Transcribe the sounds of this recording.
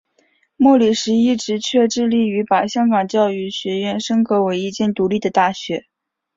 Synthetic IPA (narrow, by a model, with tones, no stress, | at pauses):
mwɔ˥˩li˨˩ʂɻ̩˧˥i˥˩ʈ͡ʂɻ̩˧˥t͡ɕʰɥɛ˥˧ʈ͡ʂɻ̩˥˧li˥˩y˧˥pa˨˩ɕjɑ˥ŋkɑ˨˩ŋt͡ɕjɑ˥˧ʊy˥˩ɕɥɛ˧˥ɥɛ˥˩nʂɤ˥ŋkɤ˧˥we˧˥ɪi˥˧t͡ɕjɛ˥˩nt̪u˧˥li˥˩d̪ə˩t̪a˥˩ɕɥɛ˧˥